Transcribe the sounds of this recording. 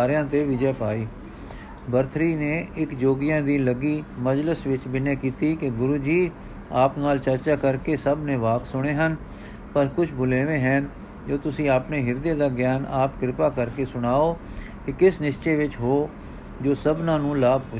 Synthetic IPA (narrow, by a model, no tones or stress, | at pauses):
aːɾɪjãːt̪eːʋɪd͡ʒɛːpaːiː | bəɾt̪ʰɾiːneːɪkd͡ʒoːɡɪjãːd̪iːləɡiːməd͡ʒləsʋɪt͡ʃbɪnjãːkiːt̪iːkɪɡʊɾuːd͡ʒiː | aːpnaːlt͡ʃəɾt͡ʃaːkəɾkeːsəbnẽːʋaːksʊɽ̃eːɦən | pəɾkʊt͡ʃʰbʊleːʋẽːɦɛːn | d͡ʒoːt̪ʊsĩːaːpneːɦɪɾd̪eːd̪aːɡjaːnaːpkɾɪpaːkəɾkeːsʊɽ̃aːoː | kɪkɪsnɪʃt͡ʃeːʋɪt͡ʃɦoː | d͡ʒoːsəbnãːnũːlaːbɦ